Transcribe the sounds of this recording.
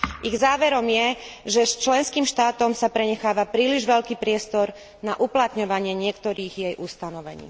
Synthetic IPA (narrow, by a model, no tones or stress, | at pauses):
ʔiɣzaːʋɛɾɔmjɛʒɛst͡ʃlɛnskiːmʃt̪aːt̪ɔmsapɾɛɲɛxaːʋapɾiːliʒʋɛʎkiːpɾɪɛst̪ɔɾ | naʔuplat̪ɲɔʋaɲɪɛɲɪɛkt̪ɔɾiːɣjɛjʔust̪anɔʋɛ̰ɲḭː